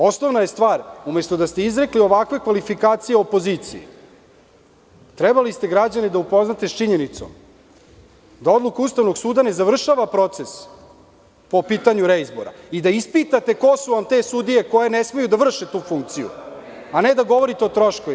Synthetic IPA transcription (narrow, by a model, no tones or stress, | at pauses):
o̞snoʋnaje̞st̪ʋaːɾume̞st̪od̪ast̪e̞izɾe̞klio̞ʋakʋe̞kʋalifikaːt̪sijeo̞po̞zit̪sijḭ | t̪ɾɛbalist̪e̞ɡɾad͡ʑanid̪aupo̞znat̪est͡ʃiɲe̞nit̪so̞̰m | d̪ao̞d̪lukaust̪aʋnoɡsuːd̪ane̞zaʋr̩ʃaːʋapɾo̞t̪se̞s | po̞piːt̪aɲuɾeizbo̰ɾa̰id̪aispit̪at̪e̞ko̞suʋamt̪e̞sud̪ije̞ko̞je̞nesme̞jud̪aʋr̩ʃet̪uːfuŋkt̪sijṵaned̪aɡo̞ʋo̞ɾit̪eo̞t̪ɾo̞ʃko